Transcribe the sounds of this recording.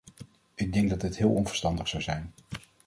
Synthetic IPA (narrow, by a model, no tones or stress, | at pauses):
ʔɪɡ̚dɛŋɡdɑddɪtɦɪːlˠɔnvə̥ɹstɑndəχsɑwzɛjn